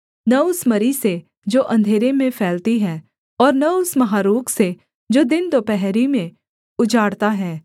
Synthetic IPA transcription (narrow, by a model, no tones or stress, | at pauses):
nɐʊsmɐɾise | d͡ʒoːʔɐ̃nd̪ʱeːɾemẽpʰɛːlt̪iɦɛː | ɔːɾnɐʊsmɐɦaːɾuːkse | d͡ʒoːd̪ɪnt̪opɛɦɾimẽ | ʊd͡ʒaːɽt̪aɦɛː